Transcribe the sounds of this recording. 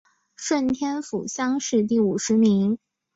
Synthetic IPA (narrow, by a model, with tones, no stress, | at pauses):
ʂwə˥˩nt̪ʰjɛ˥nfṵ˨˩ɕjɑ˥ŋʂɻ̩˥˧t̪i˥˩u˨˩ʂɻ̩˧˥mi˧˥ŋ